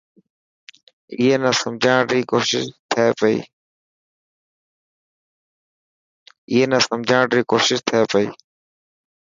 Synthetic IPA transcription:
ɪːeːnə̃səmd͡ʒʱãːɾiːkoːʃɪʃt̪ʰeeːpəḭː | ɪːeːnə̃ːsəmd͡ʒʱãːɳɖɾiːkoːʃɪʃt̪ʰeːpəḭː

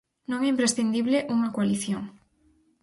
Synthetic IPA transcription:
nõŋɛimpɾesθind̪iβleʔuŋɐkoaliθjoŋ

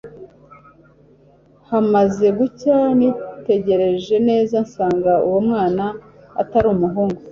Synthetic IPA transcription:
hamaze̞ɡucanite̞ɟe̞ɾe̞ʒe̞ne̞ːzansaːŋɡauwomŋaːna̰ː | taɾumuɦuːŋɡo

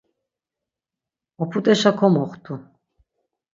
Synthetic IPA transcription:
ɔpʰut̪ʼɛʃakʰɔmɔχt̪ʰu

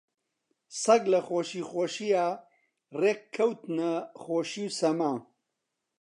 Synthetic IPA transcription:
sɐɡlɐxoːʃixoʃija | rekʰːɐwt̪nɐχoːʃiwsɐmaː

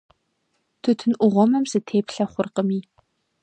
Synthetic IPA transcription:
tʰɨtʰɨnʔʷʊʁʷɔmɐmzɨtʰeːpɬɐχʷʊrqəmiː

